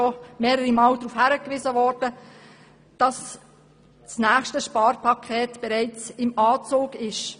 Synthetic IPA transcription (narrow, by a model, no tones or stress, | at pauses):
ɔmeːɾəɾimɑːldɾuːfhæɾəkʋɪzəvɔːɾd̥ə | d̥ɑs | snæːχʃtəʃpɑːɾpʰɑkʰɛːtb̥ɛɾɛɪt͡sɪmɑːt͡soːɡɪʃ